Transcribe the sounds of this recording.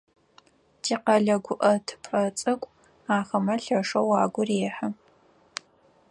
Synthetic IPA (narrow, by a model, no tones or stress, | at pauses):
tʰiːqɐɮɐɡʷʊʔɐtʰɨ̥pʰʼɐt͡sʼɨkʷʼ | aːχɐmɐɬɐʂɐwaːɡʷʊreːħɐ